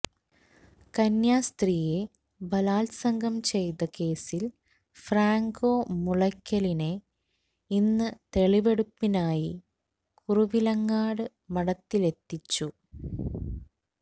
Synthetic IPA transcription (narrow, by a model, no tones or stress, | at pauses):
kɐnjaːst̪riːje̞ | bɐlaːlsɐŋɡʱɐmt͡ɕe̞jt̪ɐke̞ːsil | fraːŋɡoːmuɭɐkʲːɐline̞ | inːɨt̪e̞ɭiʋe̞ɽupːinaːji | kuruʋilɐŋːaːɽɨ | mɐɽɐt̪ːile̞t̪ːit͡ɕːu